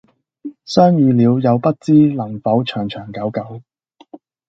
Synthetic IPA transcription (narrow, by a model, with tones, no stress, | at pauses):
sœː˥ŋjyː˨˧liː˨˧wjɐ˨˧wpɐ˥t̚t͡siː˥lɐ˨˩ŋfɐ˨˥wt͡ʃʰœː˨˩ŋt͡ʃʰœː˨˩ŋkɐ˨˥wkɐ˨˥w